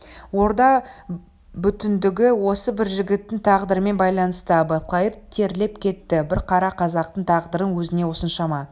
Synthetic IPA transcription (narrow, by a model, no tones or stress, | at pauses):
wo̞ɾd̪ɑ | bʏt̪ɪnd̪ɪɡʲɪwo̞səbɪɾʒɪɡʲɪt̪ːɪŋt̪ʰɑʁd̪əɾəme̞nbɑjlˠɑnəst̪əbɑt̪̚qˠɑjəɾt̪ʰe̞ɾle̞pkʲʰe̞t̪ːɪbɪɾqʰɑɾɑqʰɑzɑqt̪əɴt̪ʰɑʁd̪əɾənwɵzɪne̞ʊsənʃɑmɑ